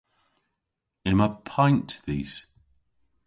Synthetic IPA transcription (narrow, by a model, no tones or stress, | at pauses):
ɪ̃məpʰãɪ̃ntðiːz̥